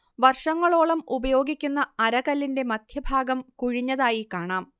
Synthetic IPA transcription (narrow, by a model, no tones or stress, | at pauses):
ʋɐrʂɐŋːɐɭo̞ːɭɐmubɐjo̞ːɡikʲːunːɐɐɾɐɣɐlːinde̞mɐd̪ʱjɐbʱaːɡɐmkuɻiɲːɐðaːjikaːɳaːm